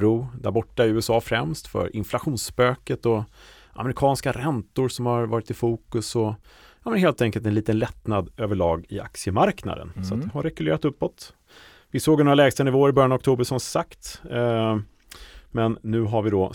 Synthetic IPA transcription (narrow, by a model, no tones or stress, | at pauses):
ɾuːd̪æ̰ɾbɔʈːaɛɾʉ̟ːɛsɑːfɾɛmst̪fœ̰ɾʔɪ̰nflaɧuːnspøːkət̪ɔ | ʔa̰mɛɾɪkʰɑːnskaɾɛnt̪ʊɾʂɔmhaɾvɑːɾɪt̪ɪfuːkɵsɔjɑːmənɦeːlt̪ɛŋkəlt̪ɛnliːt̪ənlɛt̪nad̪øːvəɭɑːɡɪʔa̰k̚sɪəmaɾkna̰d̪ə̰nsɔat̪d̪ɛɦaɾːɛɡɵlḛːɾat̪ɵpːɔt̪ | vɪsoːɡnoːɾalɛːɡst̪ənɪvoːəɾɪbœɾjanɔkt̪ʰuːbəʂɔmsakt̪ | mɛnːʉ̟ːɦaɾvɪd̪ɔ